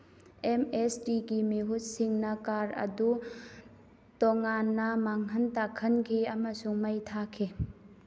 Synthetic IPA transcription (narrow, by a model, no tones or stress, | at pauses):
emesdiɡimiɦut̚siŋnɐkaɾɐ̰du | toŋanːɐmaŋɦɐntakʰɐnkʰiɐmɐsuŋmɐjtʰakʰːi